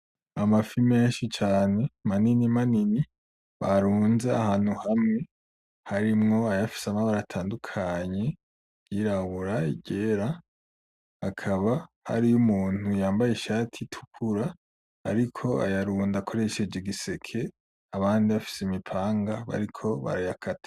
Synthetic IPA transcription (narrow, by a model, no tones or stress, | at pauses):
amafime̞ːnʃit͡ʃaːne̞maninimanini | βaɾuːnzeahaːn̥huhamŋe̞ | haɾimŋo̞ajafi̥samaβaɾatʰaːndukʰaɲe̞ | iɾaβuɾaḭɟeːɾa | akʰaβa | ha̰ɾijumuːn̥hujaːmbajeʃaːtʰitʰu̥kʰuɾa̰ː | ɾikʰo̞a̰jaɾuːndakʰo̞ɾe̞ʃe̞d͡ʒiɡise̞kʰe̞ | aβaːndiβafi̥simipʰaːŋɡaβa̰ɾikʰo̞βa̰ɾajakʰatḁ